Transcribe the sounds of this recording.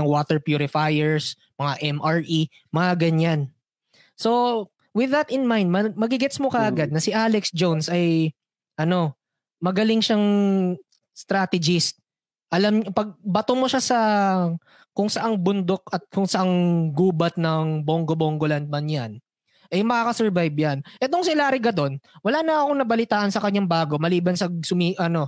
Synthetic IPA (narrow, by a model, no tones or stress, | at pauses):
ɐŋwot̪ɛɹpjuːɾɪfajɛɹs | mɐŋaʔɛmʔaɹʔi | mɐŋaɡɐɲan | so̞ | wɪðɐt̪ɪnmajnd̪mɐmɐɡɪɡɛt̪smokɐʔɐɡad̪̚nɐsɪʔalɛksd͡ʒownsɐj | ʔɐno̞ | mɐɡɐlɪŋʃaŋ | st̪ɾat̪ɛd͡ʒɪst̪̚ | ʔɐlamɲpɐɡ̚bɐt̪omoʃasɐ | kʊŋsɐʔaŋbʊnd̪o̞k̚ɐt̪̚kʊŋsɐʔaŋɡuːbɐt̪̚nɐŋboŋɡoboŋɡoland̪̚mɐnjan | ʔɐjmɐkaːkɐsɛɹvajbjanʔɛt̪̬oŋsɪlaːɾɪɡɐd̪o̞nwɐlaːnɐɐkoŋnɐbɐlɪt̪aːʔɐnsɐkɐɲːaŋbaːɡo̞mɐliːbɐnsɐsʊmiʔɐno̞